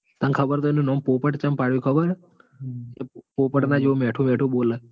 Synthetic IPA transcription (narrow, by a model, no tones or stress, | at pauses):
t̪ə̃nkʰəbəɾt̪oenũnɔmpopəʈt͡ʃəmpaɽjũkʰəbəɾ | epopəʈnad͡ʒeomeʈʰũmɛʈʰũbolə